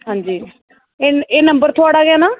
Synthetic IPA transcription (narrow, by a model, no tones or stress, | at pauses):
ɦãːnd͡ʒiː | eːeːnəmbəɾt̪ʰʊaːɽaːɡɪaːnaː